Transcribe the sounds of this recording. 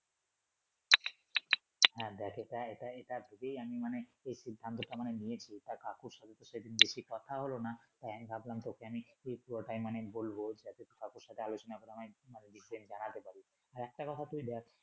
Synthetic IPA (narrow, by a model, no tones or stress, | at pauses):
ɦɛ̃d̪ɛkʰeʈaeʈaeʈabʱuɡejamimaneejʃid̪ʱːant̪oʈamanenijet͡ɕʰit̪akakuɾʃat̪ʰet̪oʃejd̪inbeʃikɔt̪ʰaɦolonat̪ajamibʱablamt̪ɔkeamiejpuɾoʈajmanebolbod͡ʑat̪et̪okakuɾʃat̪ʰealot͡ɕonakoɾeamamaneɖisidend͡ʑanat̪epaɾi | aɾɛk̚ʈakɔt̪ʰat̪uid̪ɛk̚ʰ